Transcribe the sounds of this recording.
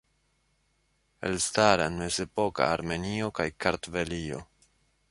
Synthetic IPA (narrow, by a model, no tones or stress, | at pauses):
e̞̰lstaɾane̞ze̞po̞ka̰ːɾme̞nio̞kajkʰaɾtvelio̞̰